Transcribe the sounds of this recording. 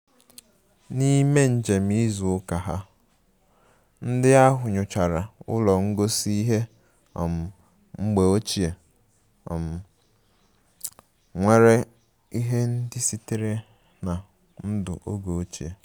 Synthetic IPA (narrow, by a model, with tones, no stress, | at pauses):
ni˦me˦n̩˨d͡ʒe˨m̩i˦zʊ˨ʊ˦ka˨ɦa˦ | n̩˦dɪ˦a˦ɦʊ˨ɲʊ˨t͡ʃa˨ɾa˨ʊ̰˦lɔ˨ŋ̩˦ɡo˦si˦i˦ɦe˦ | ɔ̰˨m̩˨ | ŋ͡m̩˦ɡ͡be˨o˦t͡ʃi˨e˨ | ɔ˨m̩˨ | ŋʷe˦ɾe˦ | i˦ɦe˦n̩˦dɪ˦si˦te˦ɾe˦ | na˨ | n̩˦dʊ̰˨ʔo˦ɡo˨o˦t͡ʃe˨